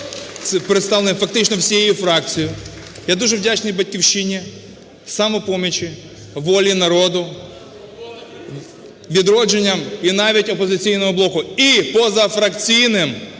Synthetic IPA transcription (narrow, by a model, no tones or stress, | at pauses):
sɛpɾɪt̪st̪ɑlenfɐk̚t̪ɪt͡ʃnɔwsʲijɛjifɾɑkt͡sʲɪjʊ | jad̪uʒɛwdʲat͡ʃnɔjbɐtʲkʲiwʃinʲi | sɐmɔpɔmʲɪt͡ʃɪ | ʋɔlʲinɐɾɔd̪ʊ | ʋʲid̪ɾɔd͡ʒenʲːɐminɑʋʲitʲɔpɔzɪt͡sʲijnɔɦɔblˠɔkʊipɔzɐfɾɐkt͡sʲijnɪm